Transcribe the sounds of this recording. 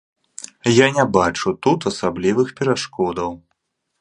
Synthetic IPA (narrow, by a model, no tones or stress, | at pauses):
janʲabat͡ʂut̪ut̪ɐsablʲivɨxpʲɛɾaʂkɔd̪ɐw